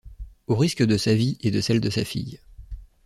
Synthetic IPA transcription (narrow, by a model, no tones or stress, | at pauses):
oʁiskəd̪əsavied̪əsɛld̪əsafḭj